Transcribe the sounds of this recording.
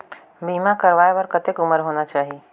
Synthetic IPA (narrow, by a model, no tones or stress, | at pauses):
biːmãkəɾʋaːebəɾkət̪ekʊməɾɦoːnat͡ʃaːɦie